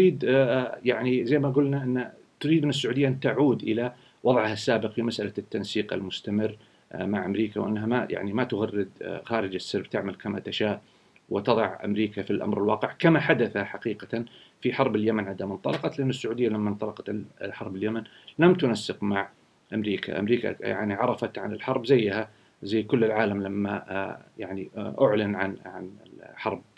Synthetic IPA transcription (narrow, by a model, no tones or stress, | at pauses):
ɾiːd̪jaʕnizajmaɡʊlnaʔɪnːa | t̪ʊɾid̪ʔɪnːɪs̬ːʊʕuːd̪ɪjːaʔnt̪aʕuːd̪ʔɪla | wɑðˤʕhasːaːbɪqfimasʔalat̪ːansiːqa̰lmʊst̪amɪrː | maʕʔamɾiːkawʔɪ̰nːɦamaja̰ʕnimat̪ʊɣarːɪd̪xaːɾɪd͡ʒasːɑɾbt̪ɪʕmalkamat̪aʃaːʔ | wɪt̪ɑðˤɑʕʔa̰mɾiːkafilʔa̰mɾɪlwɑːqɪʕkamaħad̪aθaħaqiːqafiħɑɾˤbɪljamanʕad̪amɪnt̪ˤɑlɑqɑt̪lɪʔɪnːʊsːʊʕuːd̪ɪjːalamːant̪ˤɑlɑqɑt̪ħɑɾˤbɪljaman | lamt̪ʊnasːɪqmaʕ | ʔamɾiːkʰa̰ʔa̰mɾiːka̰ja̰ʕniʕɑɾˤɑfat̪ʕa̰nɪlħɑɾˤbzajːha | zajːkʊlːɪlʕaːlamlamːajaʕniʔʊʕlɪnʕanʕa̰nɪħɑɾˤb̚